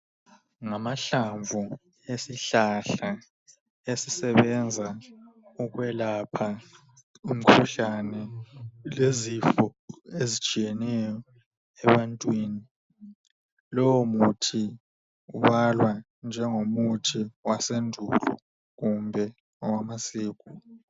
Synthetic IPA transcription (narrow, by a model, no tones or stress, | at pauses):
ŋamaɬaɱvʱu | esiɬaɬa | esisɛβɛnd͡zʱauɣwɛlapʰa | um̩kʰuɬanɛlezifɔezit͡ʃʼijɛnɛjɔ | ɛβantʼwiːni | lɔwɔmutʰi | uβalwa | nd͡ʒʱɛŋomutʰiwasendʱulɔ̰ | ɣumbʱɛ | ɔwamasiːɣu